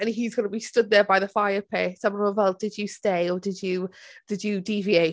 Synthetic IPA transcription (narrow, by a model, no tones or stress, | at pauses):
ə̃nɦizɡʌnəbistʊd̪̚ðəbajðəfaɪəpʰeːsamə̃nəvɛlˠd̚dɪdjəsteɪɔdɪdjəd̥ɪdjədivieɪ